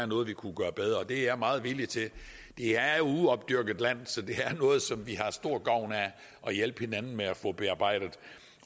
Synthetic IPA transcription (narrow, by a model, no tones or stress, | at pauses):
æɐnɔ̽ːð̩ˠʋikʰuɡ̥ɶːɐb̥eð̞ˠɐɒ̽d̥e̝æɐmɑ̈ːð̩ˠʋilit͡sʰe̝ | d̥e̝æɐjouɒ̽b̥̚d̥yɐɡ̥ð̩ˠlæn̰sɒ̽d̥e̝æɐnɔ̽ːð̩ˠsɒ̽mʋihɑ̈sd̥o̝ɐ̰ɡ̥ɑ̈ʊ̰næ | ʔɒ̽jelb̥he̝nænn̩meæfɔ̰̽b̥e̝ɑ̈ːb̥ɑ̈ɪ̰d̥ð̩ˠ